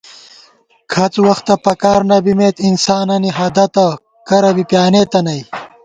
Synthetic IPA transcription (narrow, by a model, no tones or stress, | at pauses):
kʰɐt͡swɐxt̪ɐpɐkaːɾnɐbimeːt̪insaːnɐniɦɐd̪ɐt̪ɐ | kɐɾɐbipjaːnet̪ɐnɐj